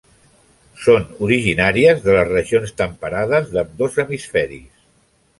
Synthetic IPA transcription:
sonuɾiʒinaɾiəzðələzrəʒionst̪əmpəɾaðəzðəmd̪ozəmisfɛɾḭs

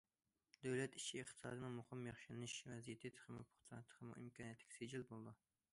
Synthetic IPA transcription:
d̪æwlɛt̪iʃieχt̪ʰɨ̥sɑ̰ːd̪ɨnɨmʊχɨmjɑχʃilnɨʃvɛzijet̪ʰɪt̪ʰχʰəmupʰʊ̥χt̪ʰɑnɨt̪ʰqʰɨmṵʔḭmkʰɑniɛt̪ʰlɪ̥kʲsed͡ʒilbolˠd̪u

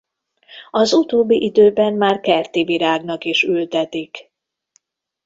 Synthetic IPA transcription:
ɒzut̪oːbːiʔid̪øːbɛmːaːrkɛrt̪iviɾaːɡnɒkiʃylt̪ɛt̪ik

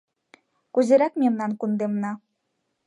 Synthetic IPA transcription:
kuzeɾɑkmemnɑnkund̪emnɑ

